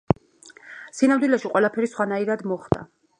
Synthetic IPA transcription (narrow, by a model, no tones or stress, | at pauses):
sinamd̪wilɛʃiqʼwɛlˠapʰɛɾisχwanaiɾad̪mɔχd̪̥a̰